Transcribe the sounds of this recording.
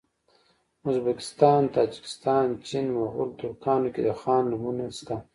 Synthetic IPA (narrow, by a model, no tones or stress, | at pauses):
uzbakɪ̥st̪ɑːnt̪aːd͡ʒi̥kɪ̥st̪ɑːnt͡ʃinmaɣʊ̰ld̪ukɑːnoked̪əxaːnːumunest̪a